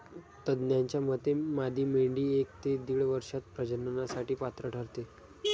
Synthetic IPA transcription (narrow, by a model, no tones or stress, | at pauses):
t̪əd̪njaɲt͡ɕjamət̪ːemad̪ʱiːmeɳɖiːek̚t̪ed̪iɭʋəɾʂat̪̚pɾəd͡ʑənənasaʈiːpat̪ɾəɖʱəɾt̪e